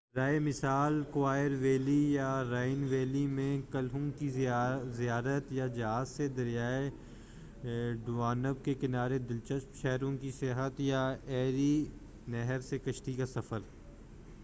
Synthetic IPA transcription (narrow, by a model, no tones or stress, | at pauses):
ɾaːemɪsaːlkʊwaːjəɾʋeːlijaɾaːɪnʋeːlimẽkɐlɦõkizɪjaːɾət̪jad͡ʒɐɦaːzsed̪ɐɾijaːe | ɖuaːnəb̚kekɪnaːɾed̪ɪlt͡ʃəsmʃɛɦɾõkisɪɦət̪jaɛːɾi | nɛɦəɾsekɐʃʈikasɐfəɾ